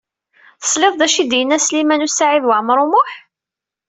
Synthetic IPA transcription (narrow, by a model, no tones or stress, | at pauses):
θə̥sleðˤd̪æʃid̪jənːæslimænusaʕiðwəʕmɾˤʊmʊħ